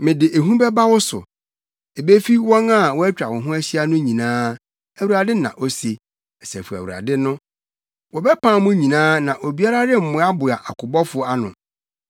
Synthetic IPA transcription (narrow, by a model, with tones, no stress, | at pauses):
mɪ̃˨dɪ˨ʔe˨ɦũ˦bɛ˦ba˦wɔ˦sʊ̰˨ | e˨be˦fi˦wɔ̃˦na˦˨wɔ˦æ˦t͡ɕᶣa˨wɔ̃˨ɦʊ̃˦æ˦ɕɪ˦a˦nʊ̃˦ɲĩ˨nãː˦ | æ˨wu˨ɾa˨dɪ˦nã̰˨ʔo˦se˨ | ɛ˨sɛ˨fu˨æ̰˨wu˨a̰˨dɪ˦nʊ̃˦ | wɔ˨bɛ˦pʰãː˦mʊ̃˦ɲĩ˨nãː˦nã˨ʔo˨bi˨˦a˦ɾa˦dɪ˦m̩˦˨mʊ̃˦a˦bʊ˨a˨ʔa˨kʰʊ˨bɔ˦fʊ˦a˦nʊ̰̃˨